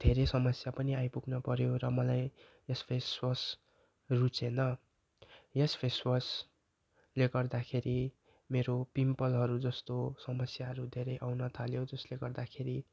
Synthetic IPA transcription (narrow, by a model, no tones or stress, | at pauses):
d̪ʱeɾesʌmʌsjapʌniajpuɡnʌpʌɾjoɾʌmʌlaj | jespʰeswʌs | rut͡senʌ | jespʰeswʌs | leɡʌrd̪akʰeɾi | meɾopimpʌlɦʌɾud͡zʌst̪osʌmʌsjaɦʌɾud̪ʱeɾʌjʔawnʌt̪ʰaljod͡zʌsleɡʌrd̪akʰeɾi